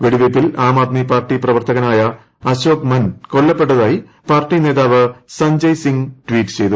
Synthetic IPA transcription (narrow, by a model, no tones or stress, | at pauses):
ʋeɽiʋepːilaːmaːd̪̚mipaːrʈːiprɐʋɐrt̪ʰɐɣɐnaːjɐ | ɐɕoːkmɐnko̞ɭːɐpːe̞ʈ̬ːɐðaːji | paːrʈːine̞ːðaːʋɨsɐɲd͡ʑɐjsiŋʈʋiːʈːɨ̥t͡ɕe̞jt̪u